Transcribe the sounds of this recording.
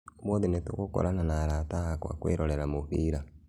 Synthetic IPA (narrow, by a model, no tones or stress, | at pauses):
mwoðinetṵkoko̰ɾʔananaɾataakwa̰kwḛːɾoleɾamuɸiɾa